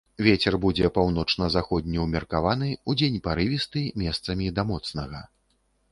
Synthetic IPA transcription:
vʲet͡sʲɛrbud͡zʲɛpawnɔt͡ʂnɐzaxɔd̪̚ʲnʲiwmʲɛrkavan̪ɨud͡zʲenʲpaɾɨvʲist̪ɨmʲɛst̪sɐmʲid̪ɐmɔt̪snɐɣɐ

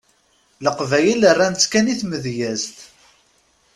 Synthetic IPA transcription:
ləqvæjələrːænt͡sːkæniθməðjæzt̪

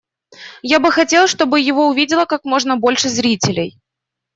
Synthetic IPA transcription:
jabɨxɐtʲe̞lˠʂt̪o̞bɨjɪvo̞ʊvʲidʲɪlˠəkakmo̞ʐnəbo̞lʲʂɨzɾʲitʲɪlʲɪj

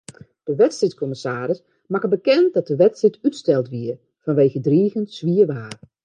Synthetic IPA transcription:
d̥əʋɛtstritkʰɔməsaːɾɪs | makəbəkɛnt̚dɔt̚dəʋɛtstritytstɛlˠtʋiər | fɔnʋeːɣədriːəɣənsʋiəʋaːr

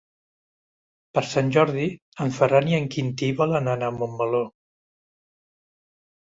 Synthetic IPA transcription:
pəɾsanʲʒɔɾði | əɱfəraniəŋkint̪iβɔlənanamombəlo

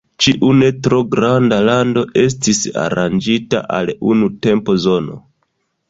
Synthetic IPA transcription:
t͡ʃiʔune̞tɾo̞ɡɾandalando̞ʔe̞s̬tisa̰ɾand͡ʒita̰ʔa̰lunute̞mpo̞zo̞no̞̰

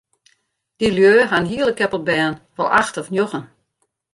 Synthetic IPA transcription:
d̥iljøːɦanɦiəlˠəkɛpəl̚ˠbɛːnʋɔlˠʔaxtɔfnjoɣən

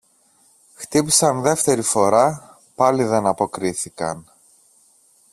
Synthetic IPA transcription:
xt̪ipisɐnðe̞ft̪e̞ɾifo̞ɾɐ | pɐliðe̞nɐpo̞kɾiθikɐ̰n

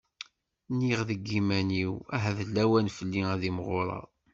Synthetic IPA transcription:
nːiʁðəɡːimæniwæɦæðəlːæwænfəlːiæðimʁoɾˤɑ̰

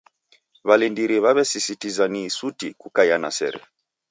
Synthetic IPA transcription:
βalindiɾiβaβɛsisitizaniːsutikukajana̰sɛ̰ɾɛ̰

